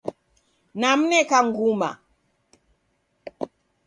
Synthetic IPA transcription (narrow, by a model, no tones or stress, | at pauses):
nam̩nɛkaŋɡuma̰